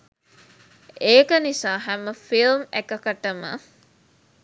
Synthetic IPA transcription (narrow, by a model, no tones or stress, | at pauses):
ʔeːkənisaːɦæməfilmekəkəʈəmə̰